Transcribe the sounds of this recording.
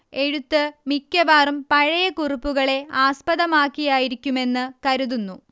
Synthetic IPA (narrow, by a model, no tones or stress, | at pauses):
e̞ɻut̪ːɨmikʲːɐʋaːrumpɐɻɐjɐkuripːuɣɐɭe̞aːspɐðɐmaːkːijaːjiɾikʲːume̞nːɨkɐɾuðunːu